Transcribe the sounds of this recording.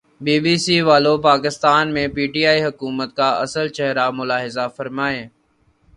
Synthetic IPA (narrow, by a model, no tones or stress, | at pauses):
biːbiːsiːʋaːlopaːkɪst̪aːnmẽːpiːʈiːaːiɦʊkuːmət̪̚kaːəsəlt͡ʃɛɦɾamʊlaːɦɪzafəɾmaːeː